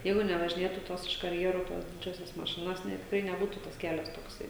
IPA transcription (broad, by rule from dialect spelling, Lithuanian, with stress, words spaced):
ˈjɛɪɡʊ nʲɛʋɐʒʲɪˈnʲeːtuː ˈtoːs ɪʃ kɐrʲˈjæːruː ˈtoːs ˈdʲɪd͡ʒʲoːsʲoːs mɐˈʃʲɪnoːs nʲɛ tʲɪkˈrɐɪ nʲɛˈbuːtuː tɐs ˈkʲæːlʲɛs toːkˈsɐɪ